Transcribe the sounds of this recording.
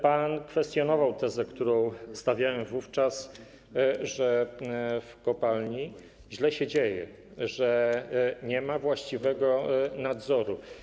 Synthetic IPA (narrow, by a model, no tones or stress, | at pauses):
pankfɛst̪ʲjɔnɔvawt̪ɛzɛkt̪uɾɔ̃w̃st̪avʲjawɛmvuft͡ʂas | ʐɛ | fkɔpalɲi | ʑlɛɕɛd͡ʑejɛ̰ | ʐɛ | ɲɛmavwaɕt͡ɕivɛɡɔnad̪zɔɾu